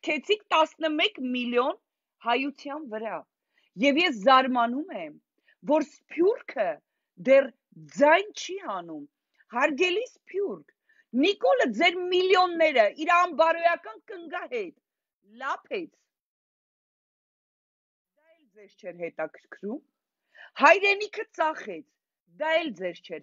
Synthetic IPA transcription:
kʰɛt͡sʰikʰt̪ɑsnəmɛkmiljɔn | hɑjut͡sʰjɑnvəɾɑ | jɛvjɛs̬zɑɾmɑnumɛm | vɔɾspʰjurkʰə | d̪ɛr | d͡zɑjnt͡ʃʰihɑnum | hɑɾɡɛlispʰjurkʰ | nikɔləd͡zɛɾmiljɔnːɛɾəʔiɾɑmbɑɾɔjɑkɑnkəŋɡɑhɛt̪ | lɑpʰɛt͡sʰ | d̪ɑɛld͡zɛɾt͡ʃʰɛɾɦɛt̪ɑkʰəɾkʰɾum | hɑjɾɛnikʰət͡sɑχɛt͡sʰ | d̪ɑɛld͡zɛɾt͡ʃʰɛɾ

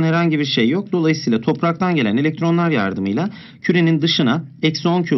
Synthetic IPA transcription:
nhɛɾhaɲɟibiɾʃejːo̞k̚d̪o̞lˠajɯsɯjlˠat̪ʰo̞pɾak̚t̪ʰanɟe̞lʲæne̞lʲɛc̚t̪ʰɾo̞nlˠaɾja̰ɾd̪ɯmɯjlˠa | cʰyɾe̞nind̪ɯʃɯnaɛcso̞ncʰu

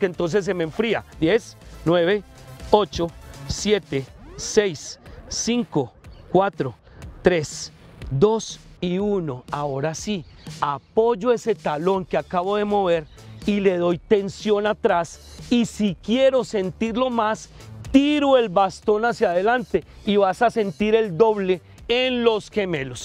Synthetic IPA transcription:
kent̪o̞ns̬e̞s̬ːe̞meɱfɾia̰d̪jesnweβe̞o̞t͡ʃo̞sje̞t̪eːejsːiŋko̞kwat̪ɾo | t̪ɾe̞sd̪o̞siuno̞ao̞ɾasiapo̞d͡ʒoe̞se̞t̪alo̞ŋkeakaβo̞ðe̞mo̞βe̞ɾ | ile̞ðo̞jt̪e̞nsjo̞nat̪ɾasisikje̞ɾo̞se̞nt̪iɾlo̞mas | t̪iɾoe̞lbast̪o̞nasjaðe̞lant̪e̞ | iβasase̞nt̪iɾe̞ld̪o̞βle̞ | enlo̞sxe̞me̞lo̞s

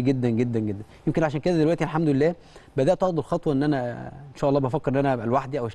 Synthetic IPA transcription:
ɡed̪ːænɡed̪ːænɡed̪ːænjemkenʕaʃæːnked̪æd̪elwæʔt̪ilħamd̪olelːæː | bæd̪æʔt̪ɑʕd̪ˤelxɑt̪ˤwɑʔenːʔænæenʃæːʔɑlˤːɑːbæfækːeɾʔenːʔænælwaħd̪iʔæweʃ

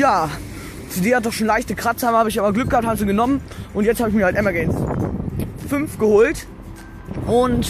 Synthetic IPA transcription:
jaː | t͡seːdeːhat̚d̥ɔχʃoːnlaɪçtəkʁ̥at͡shaːbmhaːbəɪçaːbɐɡlʏk̚ɡ̥əhap̚thabmziɡənɔmənʔʊntjɛt͡sthaːbɪçmiɐhaltʔɛmɐɡɛɪns | fʏnfɡ̥əhoːlt | ʔʊnt

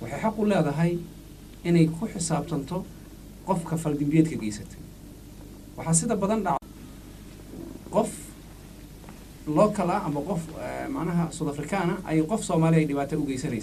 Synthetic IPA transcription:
wɑħɑjħɑqʊlɛːðɐɦɐj | ɪnɛjkʰʊħɪsaːbt̪ʰɐnt̪ʰɔ | qɔfkʰɐfɐld̪ɪmbɛːd̪kʰɐɡɛːjsɐt̪ʰɛ̥ | wɑħɑːs̬ɪðɐbɐðɐnɖɑʕ | qɔf | lɔːkʰɐlɐʔɐmɐqɔfmɑʕnɐɦɐsuːd̪ɐfrɪkʰaːnɐʔɐ̰jɛjqɔfsɔːmaːlɪɛjɖɪβaːt̪ʰɐɔɣɛjsɐnɛjs

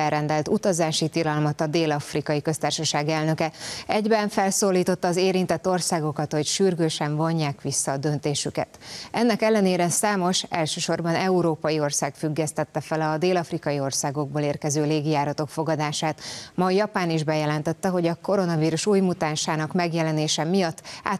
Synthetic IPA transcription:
ɛrɛnd̪ɛlt̪ut̪ɒzaːʃit̪ilɒlmɒt̪ɒd̪eːlɒfrikɒjikø̞st̪aːrʃɒʃaːɡɛlnø̞kɛɛɟbɛɱfɛlsoːlːiːt̪o̞t̪ːɒːzeːɾint̪ɛt̪ːo̞rsaːɡo̞kɒt̪ho̞cʃyrɡøːʃɛɱvo̞ɲːaːkʋisːɒːd̪ø̞nt̪eːʃykɛ̰t̪ɛnːɛkɛlːɛneːɾɛnsaːmo̞ʃɛ̰lʃøːʃo̞rbɒnɛuɾoːpɒjio̞rsaːɡfyɡːɛst̪ɛt̪ːɛfɛlɒd̪eːlɒfrikɒjio̞rsaːɡo̞ɡ̚boːleːrkɛzøːleːɡijaːɾɒt̪o̞kfo̞ɡɒd̪aːʃaːt̪mɒjɒpaːniʒbɛjɛlɛnt̪ɛt̪ːɛɦo̞ɟɒko̞ɾo̞nɒviːɾuʃuːjmut̪aːnʃaːnɒkmɛɡjɛlɛneːʃɛmijɒt̪ːa̰ː

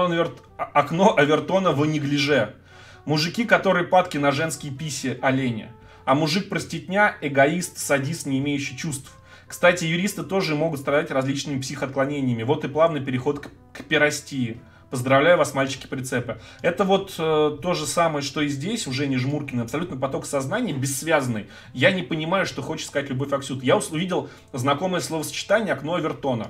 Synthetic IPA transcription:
onvʲɪr | ɐkno̞ʔɐvʲɪrt̪o̞nəvənʲɪɡlʲɪʐɛ | mʊʐɨkʲikɐt̪o̞ɾɨjəpat̪kʲɪnɐʐɛnskʲɪjpʲisʲɪʔɐlʲenʲɪ̰ | ɐmʊʐɨk̚pɾəsʲtʲɪt̪ʲnʲaɛɡɐist̪sɐdʲist̪nʲɪːmʲejʉɕːɪjt͡ɕust̪f | kst̪atʲɪjʉɾʲist̪ɨt̪o̞ʐɨɨmo̞ɡʊt̪st̪ɾɐd̪atʲrɐzʲlʲit͡ɕnɨmʲɪpsʲixəɐt̪klˠɐnʲenʲɪjəmʲɪvo̞t̪ɨplˠavnɨjpʲɪɾʲɪxo̞t̪k | kpʲɪɾɐsʲtʲiɪ | pəzd̪ɾɐvlʲæjʊvasmalʲt͡ɕɪ̥kʲɪ̥pɾʲɪt̪sɛpɨ | ɛt̪əvo̞t̪ət̪ːo̞ʐɨsaməjəʂt̪o̞ɪzʲdʲesʲʊʐɛnʲɪʐmurkʲɪnɨɐpsɐlʲut̪nəpɐt̪o̞ksɐznanʲɪjəbʲɪsːvʲazənːɨj | janʲɪpənʲɪmajʊʂt̪o̞xot͡ɕɪ̥t̪skɐatʲlʲʊbo̞fʲɐksʲut̪jaʊʊvʲidʲɪlˠ | znɐko̞məjəslˠo̞vəsə̥t͡ɕɪ̥t̪anʲɪjəɐkno̞vʲɪrt̪o̞nə̰

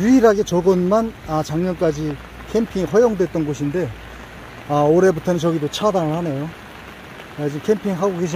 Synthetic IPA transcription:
juiɾaɡe̞t͡ɕʌɡɯnmanat͡ɕaŋɲʌnk͈ad͡ʑi | kʰe̞mpʰiŋiɸwʌjoŋdwe̞t̚t͈ʌnɡoɕʰinde̞ | aoɾe̞butʰʌnɯnt͡ɕʌɡidot͡ɕʰadanɯɭhane̞jo | ed͡ʑimkʰe̞mpʰiŋɦaɡoɡe̞ɕ̬ʰi

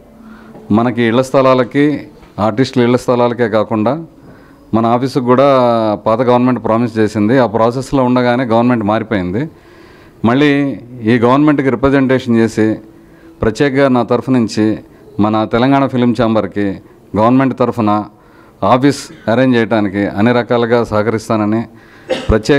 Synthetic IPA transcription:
mɐnɐkiːɭːɐst̪ʰɐlaːlɐki | aːɾʈisʈliɭːɐst̪ʰɐlaːlɐke̞ːkaːkuɳɖaː | mɐnɐaːpʰiːskuːɽaːpaːt̪ɐɡɐʋɐɾnme̞ɳʈpɾaːmist͡ʃeːsind̪iaːpɾaːs̬esːlo̞ːuɳɖɐɡaːneːɡɐʋɐɾnme̞ɳʈmaːɾipoːjind̪i | mɐɭːiiːɡɐʋɐɾnme̞ɳʈkiɾipɾɐd͡ʒeɳʈeːʂɐnt͡ʃe̞ːsi | pɾɐtjɛːkɐɡaːnaːt̪ɐɾupʰɐnuɲt͡ʃi | mɐnɐt̪ɛlɐŋɡaːɳɐpʰilimt͡ʃaːmbɐɾki | ɡɐʋɐɾnme̞ɳʈ̚t̪ɐɾupʰɐnɐ | aːpʰiːsɐɾeːɲt͡ʃɛːjɐʈaːnikiʔɐ̰nːiɾɐkaːlɐɡaːsɐɦɐkɐɾist̪aːnɐni | pɾɐtːɛː

